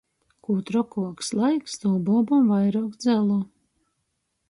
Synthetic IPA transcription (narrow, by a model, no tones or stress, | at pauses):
kuːt̪ɾɔkuɔkslˠajkst̪ɔːbɔbɔmvajɾaːkd̪zʲɛlˠɔː